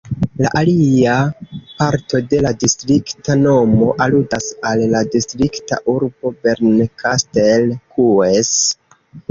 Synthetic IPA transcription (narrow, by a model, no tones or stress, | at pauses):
la̰ʔaliapaɾto̞de̞ladistɾiktano̞mo̞ʔaludasalːadistɾikta̰ʔuɾbo̞be̞ɾnkastelkʰues